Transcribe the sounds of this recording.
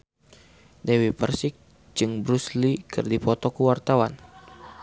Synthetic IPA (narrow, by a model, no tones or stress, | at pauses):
dewipərsɪk̚ | d͡ʒɨŋbɾuslikɨ̰rdipɔt̪ɔkuwart̪awan